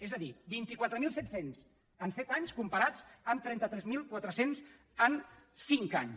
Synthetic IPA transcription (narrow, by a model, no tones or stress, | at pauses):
ezəðibint̪ikwat̪ɾəmilˠsɛt̪senz | ənsɛt̪aɲskumpəɾat͡səmt̪ɾɛnt̪ət̪ɾɛzmilˠkwat̪ɾəsenz | ənsiŋka̰ɲ